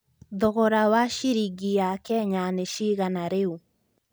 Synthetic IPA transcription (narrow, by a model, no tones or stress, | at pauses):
ðɔɣɔɾawaʃiɾiɡijakɛɲaneʃiɣanaɾeu